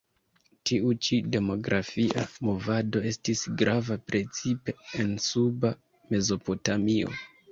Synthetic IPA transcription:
tiut͡ʃide̞mo̞ɡɾʔafiʔamo̞vado̞e̞stisɡɾʔavapɾe̞t͡sipe̞ensuba | me̞zo̞po̞tamio̞̰

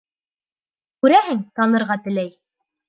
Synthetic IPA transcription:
kʉɾæɦɘŋt̪ɑnɤ̆ɾʁɑt̪ɘ̆læj

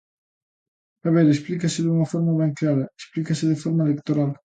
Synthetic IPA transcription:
aβeɾesplikɐsɪðuŋɐfoɾmɐβeŋklaɾɐesplikasɪðɪfoɾmaelekt̪oɾal

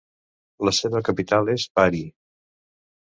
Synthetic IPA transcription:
ləseβəkəpit̪alˠezbaɾi

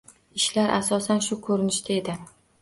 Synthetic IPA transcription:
ɪʃlaɾʔa̰sɒsanʃʊkʰɵɾɪnɪʃt̪ʰae̞d̪ɪ

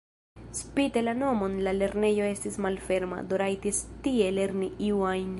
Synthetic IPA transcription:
spitelano̞mo̞nlale̞ɾne̞jo̞e̞stismalfe̞ɾma̰d̪oɾajtistie̞le̞ɾniʔiwajn

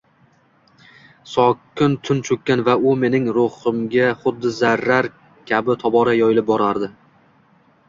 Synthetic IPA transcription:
sɒkʲːɪnt̪ʰʊnt͡ʃʰɵkʲːanvaʊme̞nɪŋɾoχɨmɡʲaχʊd̪ːɪzaɾːaɾ | kʲʰabɪt̪ʰɒbɒɾajɒjɪlɪp̚bɒɾaɾd̪ɪ

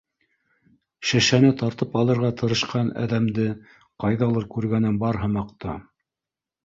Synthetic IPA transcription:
ʃɘ̆ʃænɘt̪ɑɾt̪ɤpɑlˠɤ̆ɾʁɑt̪ʰɤ̆ɾɤ̆ʃqɑnæ̰ðæmd̪ɘ | qɑjðɑlˠɤɾkʉɾɡænɘnbɑɾɦɤ̆mɑqt̪ɑ̰

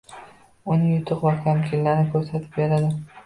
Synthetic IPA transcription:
ʊnɪjʊt̪ʰʊqvakʲʰamkʲʰɪnlaɾɪkʰɵɾsat̪ʰɪ̥p̚be̞ɾad̪ɪ

